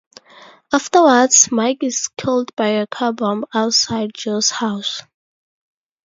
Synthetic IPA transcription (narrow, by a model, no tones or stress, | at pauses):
aftəwədz̥maɪkɪz̥kʰɪlˠdbaɪəkʰabɔ̃maʊtsaɪd̚d͡ʒoshaʊs